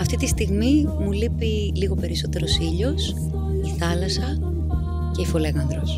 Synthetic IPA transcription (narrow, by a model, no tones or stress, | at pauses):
ɐft̪it̪ist̪iɣmimulipi | liɣo̞pe̞ɾiso̞t̪e̞ɾo̞siʎo̞s | iθɐlɐsɐ | ce̞ifole̞ɣɐnðɾo̞s